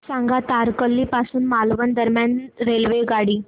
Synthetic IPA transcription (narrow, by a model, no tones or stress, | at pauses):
sãŋɡat̪aɾkəlːipasuːnmalʋənd̪əɾmjanɾelʋeɡaɽiː